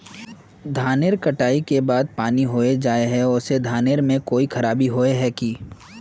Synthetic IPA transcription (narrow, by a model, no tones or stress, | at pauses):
d̪ʱaːneːɾkɐʈaːikebaːd̪̚paːniɦoːed͡ʒaːeɦɛ̃ʊsed̪ʱaːneɾmẽkoːikʰɐɾaːbiɦoːeɦɛkiː